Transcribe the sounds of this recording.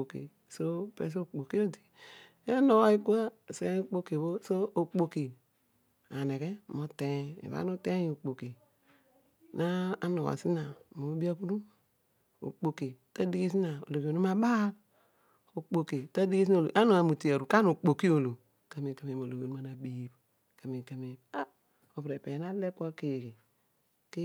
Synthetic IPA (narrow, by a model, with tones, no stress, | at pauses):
o˨kḭ˨ | so˦pḛ˨˦s̬o˦˨k͡po˨ki˦o˦ti̥˨˦ | a˦no˦wa˦i˦ku˦a˦˨si˨˦e˦k͡po˦ke˨bo˦so˦o˨k͡po˨ki˨ | a˨ne˨ke˦˨mo˨te˦ḛ˨βa̰˦no˦te˦˨o˨k͡po˨ki˨ | na˦a˦no˨a̰˨si˦na˨mo˨˦bi˦a˦ku˦du˦ | o̰˨k͡po˨ki˨ta˦di˦ɡi˦s̬i˦na˨o̰˨lo˨i˨o˨no˦ma˦ba˦ | o˨k͡po˨ki˨ta˦di˦ɡi˦si˦n˦˨lo̰˨ʔa˦no˨a˨mu˨ti˨a˨ɾu˨ka˦no˨k͡po˨ki˦o˨lo˨ | ka˨mi˨ka˨me˨mo˨lo˨o˨nu˦a˨na˨bi˨˦b | ka˨mi˨ka˨me˨a˦ | o˨pɾe˨pe˨na˦le˦pko˦ke˨ki˨ | ke˦